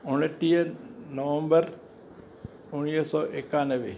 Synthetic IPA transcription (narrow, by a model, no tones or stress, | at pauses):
ʊnʈːijənɐʋə̃mbəɾ | ʊnijəsɔːʔekaːnəʋe